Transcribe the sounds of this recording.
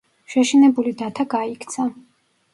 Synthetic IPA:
ʃɛʃinɛbulid̪at̪ʰaɡaikʰt̪sʰa

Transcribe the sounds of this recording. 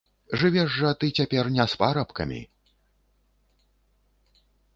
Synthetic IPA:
ʐɨvʲɛʐːɐt̪ɨt͡sʲapʲɛrnʲɛspaɾɐpkɐ̰mʲḭ

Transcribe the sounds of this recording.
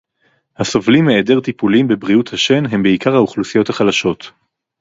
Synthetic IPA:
hasovlimːeːde̞ʁt̪ipulimbebʁiuthaʃe̞nɦe̞mbeikaʁhauχlusijo̞thaχalaʃo̞t̪

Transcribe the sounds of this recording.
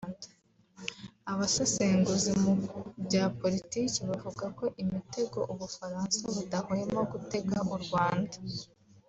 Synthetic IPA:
aβasoseːŋɡuzimubɟaːpo̞ɾitiːceβavuɡako̞ʔimite̞ɡo̞̰ʔuβufaɾaːnsaβudahoje̞moɡute̞ɡaʔuɾɡwaːndḁ

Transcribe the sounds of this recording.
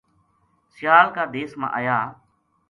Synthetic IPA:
sɪjaːlkaːd̪eːsmã̰ːʔaːjaː

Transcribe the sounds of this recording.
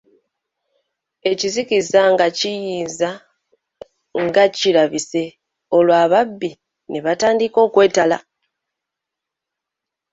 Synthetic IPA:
e̞cizikizaŋɡacijiːnza | ŋɡaciɾaβise̞ | o̞lwaːβabːi | neβataːndiko̞ːkwe̞ːtala̰

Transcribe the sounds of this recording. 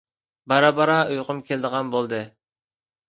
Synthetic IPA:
bɑɾɑbɑɾɑujqʰʊmkʲʰelɪd̪əʁɑnbolˠd̪ɨ

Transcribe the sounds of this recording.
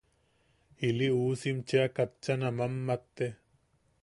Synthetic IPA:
iliuːsimt͡ʃeakɐt̪t͡ʃɐnɐmɐmːɐt̪ːe

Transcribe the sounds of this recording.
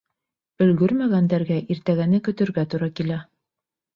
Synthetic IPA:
ɵ̆lɡɵɾmæɡænd̪æɾɡæʔiɾt̪æɡænɘkɵ̆t̪ɵ̆ɾɡæt̪uɾɑkilæ

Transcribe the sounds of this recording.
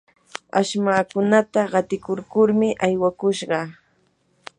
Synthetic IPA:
aʃmaːkʊnat̪aɢɑt̪ɪkʊɾkʊɾmɪʔajwakʊʃɢɑ

